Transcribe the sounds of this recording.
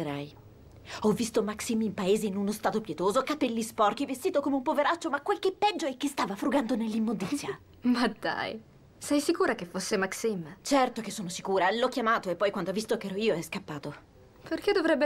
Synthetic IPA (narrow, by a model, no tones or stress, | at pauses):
ɾaj | ɔvːist̪omaksimimpaeːzeinunost̪aːt̪opjɛt̪oːzokapɛlːispɔrk̟ivest̪iːt̪okomeumpoveɾat͡ʃːomakːwelkepːɛd͡ʒːoɛk̟ːest̪aːvafɾuɡand̪onelːimːond̪it̪sːja | mad̪a̰j | sɛjsikuːɾakefːosːemaksimt͡ʃɛrt̪okesːoːnosikuːɾalɔkːjamaːt̪oepːɔjkwand̪oavist̪okeɛːɾoiːoɛskapːaːt̪o | perk̟ed̪ːovɾɛbːe